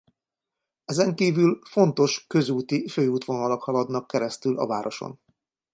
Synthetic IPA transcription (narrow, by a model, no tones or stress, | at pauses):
ɛzɛŋkiːvylfo̞nt̪o̞ʃkø̞zuːt̪iføːuːt̪ʋo̞nɒlokhɒlɒd̪nɒkːɛɾɛst̪ylʔɒ̰vaːɾʔoʃo̰n